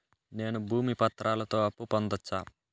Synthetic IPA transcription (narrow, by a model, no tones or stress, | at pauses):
ne̞ːnubʱuːmipɐt̪ːɾaːlɐt̪o̞ːɐpːupɐnd̪ɐt͡ʃːaː